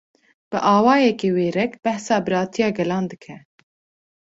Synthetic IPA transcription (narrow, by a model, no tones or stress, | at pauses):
b̥ɨʔɑːwɑːjɛkeːweːɾɛkb̥ɛhsɑːbɨɾɑːt̪ʰijɑːɡɛlɑːnd̪ɨkʰɛ